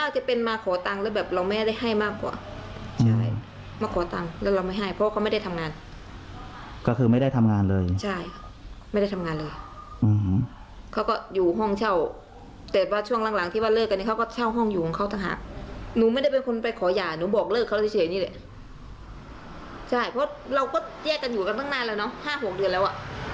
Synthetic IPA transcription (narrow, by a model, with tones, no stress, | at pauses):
taː˧˩t͡ɕa˨˧˩pe˧nmaː˧kʰɔː˨˦t̪a˧ŋlɛː˧˦˥bɛː˨˩p̚ɾa˧wmaɛː˥˩da˥˩jɦa˥˩jmaː˥˩kːwa̰ː˨˩t͡ɕʰa˥˧˩j | maː˧kʰɔː˨˦t̪a˧ŋlɛː˦˥˩ɾa˧wma˥˩jɦa˥˩jpʰɔ˧waː˥˧˥m˥jda˥˩t̪ʰa˧ŋaː˧n | kɔː˥˩kʰɯː˧ma˥˩jda˥˩jt̪ʰa˧mŋaː˧nlɤː˧jt͡ɕʰa˥˩j | ma˥˩jda˥˩t̪ʰa˧ŋaː˧nlɤː˧jʔɯː˨˩h | kʰa˦˥˩wkɔ˧˩juː˨˩ɦɔ˥˩ŋt͡ɕʰa˥˩w | t̪ɛː˨˩waː˧˩t͡ɕʰu˥˩əŋla˧˦ŋla˨˩˦ŋt̪ʰiː˥˩waː˧˨lɤː˥˩kːa˧niː˧˩kʰa˥˩kɔː˥˩t͡ɕʰa˥˩wɦɔ˥˩ŋjuː˨˩ɔ˨˦kʰa˧˩t̪a˧˩ŋɦa̰ː˨˩k̚nuː˨˦ma˥˩jda˥˩pe˧nkʰo˧npa˧jkʰɔː˨˦jaː˨˩nuː˨˦bɔː˨˩k̚lɤː˥˩k̪ʰːiː˧˥˩niː˧˥˨ɛ˧˩ | t͡ɕʰa˥˩jpʰɔ˦˥ɾa˧wkɔː˥˩jɛː˥˩kːa˧njuː˨˩ka˧nt̪ʰa˥˩ŋnaː˧˩˨lɛː˦˧˩wnɔ˦˥haː˥˩ɦo˨˩k̚dɯ˧ənlɛː˦˥wʔa˨˩ʔ